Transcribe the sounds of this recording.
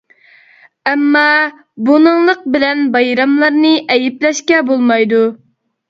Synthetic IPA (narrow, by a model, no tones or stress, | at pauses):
ɛmːɑ | bunɨŋlˠəq̚bɪlɛnbɑjɾɑmlˠɑɾnɨʔɛjɪplɛʃkʲɛbolˠmɑjd̪u